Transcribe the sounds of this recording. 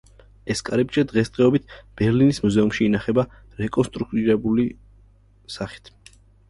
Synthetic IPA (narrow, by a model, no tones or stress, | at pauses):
ɛskʼaɾɛbt͡ʃɛd̪ʁɛsd̪̥ʁɛɔbit̪̚ʰb̥ɛɾlinismuzɛumʃiːnaχɛba | ɾɛkʼɔnst̪ʼɾuk̚ʰt̪ʼiɾɛbuli | saχi̥t̪ʰ